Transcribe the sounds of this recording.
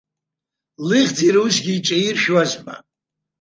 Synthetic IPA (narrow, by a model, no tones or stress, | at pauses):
lɨʁʲd͡ziɾusɡʲiːt͡ʃʼairʃwazma̰